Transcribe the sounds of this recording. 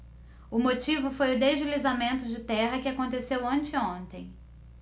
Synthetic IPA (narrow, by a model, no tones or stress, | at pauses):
ʊmot͡ʃivʊfojʊd̪eʒɪlizamẽnt̪ʊd͡ʒɪt̪ɛɦɐkɪakõnt̪esewɐ̃t͡ʃɪõnt̪ẽj̃